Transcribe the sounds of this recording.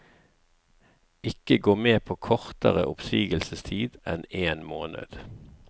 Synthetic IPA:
ɪkəɡoːmeːpʰoːkʰɔʁt̪əʁə̰ʔʊpsyːɡəlsəst̪ʰiːd̪ʔɛneːnmoːnə̰d̪̥

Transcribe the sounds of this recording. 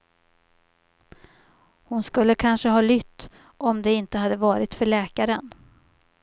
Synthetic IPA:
hʊnskɵlːəkʰanʂəɦɑːlʏt̪ː | ʔɔmd̪ɛɪnt̪əhad̪ːəvɑːɾɪt̪fœɭɛːkaɾən

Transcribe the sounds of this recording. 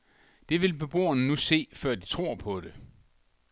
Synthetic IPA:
d̥e̝ʋe̝lb̥e̝b̥o̝̰ːɐnənuse̝̰ːfɶɐ̰d̥it͡sʰʁo̝ɐ̰pʰɔ̽d̥e̝

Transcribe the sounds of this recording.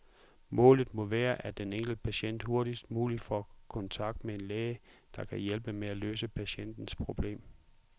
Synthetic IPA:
mɔ̰̽ːlð̩ˠmɔ̽ʋæːɐʔæd̥eneŋ̰ɡ̥l̩pʰæɕen̰d̥ho̝ɐɾ̥isd̥muːli̥fɒkʰɒ̽nt͡sʰɑ̈ɡ̥̚d̥mee̝nlɛːɪə | d̥ɑ̈kʰæjelb̥əmeælø̰ːsəpʰæɕen̰d̥n̩spʰʁo̝b̥le̝̰ːm

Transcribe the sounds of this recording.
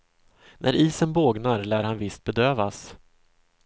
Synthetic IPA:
nʔæ̰ɾʔiːsənboːɡnaɾlæːɾhanvɪst̪̚bɛd̪øːvas

